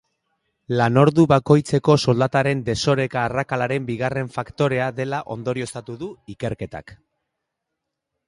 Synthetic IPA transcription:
lano̞ɾðuβako̞jt͡se̞ko̞so̞ld̪at̪aɾe̞nd̪e̞so̞ɾe̞kaːrakalaɾe̞mbiɣ̞are̞ɱfakt̪o̞ɾe̞aðe̞laʔo̞̰nd̪o̞ɾio̞st̪at̪uðuike̞ɾke̞t̪a̰k

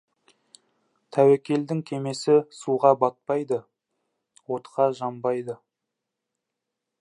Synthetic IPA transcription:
t̪ʰæwekʲe̞ld̪ɪŋkʲʰe̞me̞sɪsuʁɑbɑt̪̚pɑjd̪ə | wo̞t̪qʰɑʒɑmbɑjd̪ə

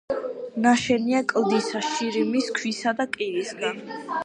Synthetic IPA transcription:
naʃɛniakʼlˠd̪isaʃiɾimiskʰwisad̪akʼiɾisɡan

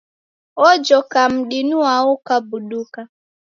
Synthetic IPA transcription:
ɔd͡ʒɔkam̩ɗinuwaukabuɗuka

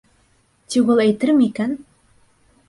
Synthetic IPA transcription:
t̪iwulˠæjt̪ɘɾmikæn

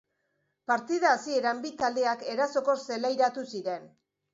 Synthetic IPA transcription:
paɾt̪iðaːsie̞ɾambit̪ald̪e̞ake̞ɾaso̞ko̞se̞lajɾat̪usiɾe̞n

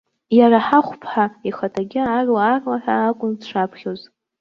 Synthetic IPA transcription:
jaɾaħaχʷpʰħaiχatʰaɡʲɪarwaːrlaħʷᶣaːkʷʼʊnʂʷapʰχʲoz

